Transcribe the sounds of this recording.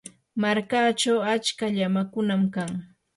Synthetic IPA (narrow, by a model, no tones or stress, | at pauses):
maɾkaːt͡ʃawat͡ʃkaʎamakʊnamkaŋ